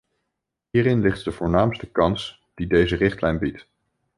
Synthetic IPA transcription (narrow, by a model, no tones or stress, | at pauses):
ɦiːɾɪnlɪχt̚dəv̥ʊːɹnaːmstəkɑns | d̥idejzərɪχtlɛjnbit